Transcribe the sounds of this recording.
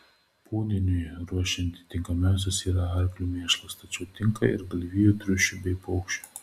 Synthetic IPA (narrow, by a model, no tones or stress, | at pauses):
puːd̪ʲɪnʲʊjɾuɔʃʲɛnʲt̪ʲɪt̪ʲɪŋkɐmʲæˑʊs̬ʲɛsiːɾɐɐɾʲklʲuːmʲeɛʃlˠɐst̪ɐt͡ʃʲɛʊt̪ʲɪŋkɐ̰ɪ̰ɾɡɐlʲʋʲijuːd̪ɾʲʊʃʲʊbʲɛɪpɔʊkʃʲʊ